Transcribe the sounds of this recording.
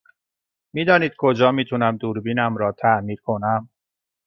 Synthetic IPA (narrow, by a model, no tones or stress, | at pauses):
miːd̪ɒːniːd̪̚kʰo̞d͡ʒɒːmiːt̪ʰunæmd̪uːɾbiːnæmɾɒːt̪ʰæʔmiːɾkʰo̞næm